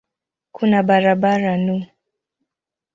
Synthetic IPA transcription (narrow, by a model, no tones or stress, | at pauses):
kʰunaɓaɾaɓaɾanu